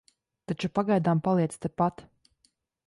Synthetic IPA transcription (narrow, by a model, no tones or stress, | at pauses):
t̪at͡ʃupaɡajd̪aːmpalˠiɛst̪ɛpat̪